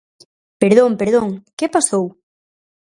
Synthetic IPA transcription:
peɾðõŋpeɾðõŋkepasow

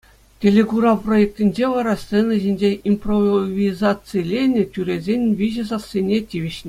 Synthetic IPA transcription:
tʲelʲeɡuɾɑprojek̚tʲinʲd͡ʑeʋɑɾɑst̪senɤʑinʲd͡ʑeimproʋʲizɑt͡sɨjlʲenʲɘ̆tʲyɾʲezʲenʲʋʲiʑɘ̆zɑssʲenʲetʲiʋʲiɕnʲe

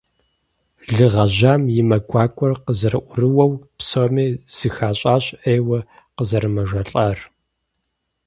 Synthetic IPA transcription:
ɮɨʁɐʑaːmjɪmɐɡʷʰʼaːkʷʼɔrqəzɐrɨʔʷʊrɨwɐwpsomiːz̥ɨxaːɕʼaːɕʼeːwɐ | qəzɐɾɨmɐʒɐɬʼɐr

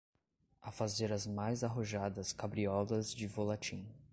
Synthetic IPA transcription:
afazeɾɐzmajzaɦoʒad̪ɐskabɾiɔlɐzd͡ʒɪvolat͡ʃĩ

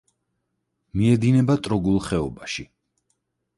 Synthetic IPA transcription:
miɛd̪inɛbat̪ʼɾɔɡulˠχɛɔbaʃi

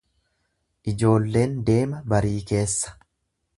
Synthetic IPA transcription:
ʔɪd͡ʒo̞ːlːe̞ːnd̪e̞ːmɐbɐɾiːke̞ːsːɐ̥

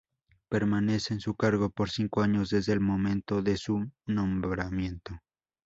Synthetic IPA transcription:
pe̞ɾmane̞seːnsukaɾɣo̞po̞ɾsiŋkoaɲo̞zðe̞zðeːlmo̞mẽ̞nt̪o̞ðe̞sunõmbɾamje̞nt̪o̞

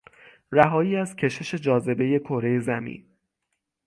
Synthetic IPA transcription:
ræɦɒːjiːæzcʰe̞ʃe̞ʃe̞d͡ʒɒːze̞be̞je̞kʰo̞ɾe̞je̞zæmḭːn

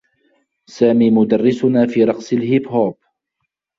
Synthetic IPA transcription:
saːmiːmʊd̪ɑrːɪsʊnaːfiːɾˤɑqsˤɪlhɪbhoːb̚

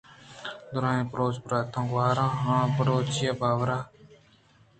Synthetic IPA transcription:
d̪ʊɾãːẽːpɾoːt͡ʃpəɾaːt̪ʰːãːɡʋaːɾãːɦãːpəɾoːt͡ʃɪjabaːʋɾaː

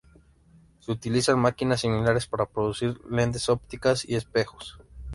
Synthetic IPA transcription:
seut̪ilisanmakinasːimilaɾe̞spaɾapɾo̞ðusiɾle̞nt̪̬e̞sop̚t̪ikasḭe̞spe̞xo̥s

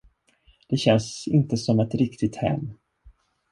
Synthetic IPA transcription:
d̪̥ɛɕɛnsɪnt̪əsɔmɛt̪ɾɪkt̪ɪt̪hɛ̰mː

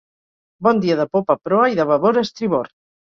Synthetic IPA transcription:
bɔnd̪iaðəpopapɾɔaiðəβɐβoɾest̪ɾiβoɾt̪

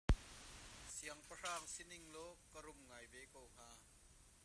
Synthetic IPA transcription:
siɐŋpəraːŋsiniŋlɔkəɾʊmŋaːjvekowŋ̥aː

